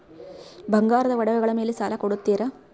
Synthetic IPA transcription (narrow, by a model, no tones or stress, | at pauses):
bʱɐŋɡaːɾɐðɐʋɐɽɐʋɐɣɐɭɐmeːlesaːlɐkoɽut̪ːiːɾɐ